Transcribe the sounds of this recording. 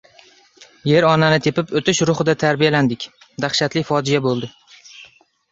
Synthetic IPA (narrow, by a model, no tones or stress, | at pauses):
je̞ɾɒnanɪt̪ʰe̞pɪpot̪ɪʃɾʊχɨd̪at̪ʰaɾbijaland̪ɪkʲ | d̪aχʃat̪lɪfɒd͡ʒɪjabolˠd̪ɪ